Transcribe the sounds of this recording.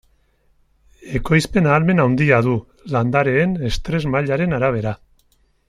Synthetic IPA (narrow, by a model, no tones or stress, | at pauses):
e̞ko̞jspe̞naːlme̞nawnd̪iaðu | land̪aɾe̞ːne̞st̪ɾe̞zmaʎaɾe̞naɾaβ̞e̞ɾa